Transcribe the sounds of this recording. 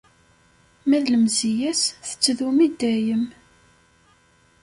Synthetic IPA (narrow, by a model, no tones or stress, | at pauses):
mæðləmzijæsθə̥t͡sːðumid̪æjəm